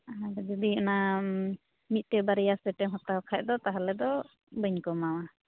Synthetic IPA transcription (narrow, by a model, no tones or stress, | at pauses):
aaɾɛd͡ʒɔd̪iɔna | mit̪̚ˀt̪ɛbaɾɛjasɛʈɛɦɔt̪aɔkʰaʔ̚d̪ɔt̪aɦalɛd̪ɔ | bəɲkɔmawa